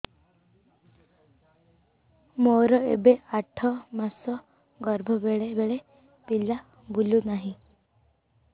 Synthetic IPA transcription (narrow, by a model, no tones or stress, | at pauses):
moɾɔḛbeaʈʰɔmasɔ | ɡɔɾbʱɔbeɭebeɭe | pilːa | bʱulunaɦĩ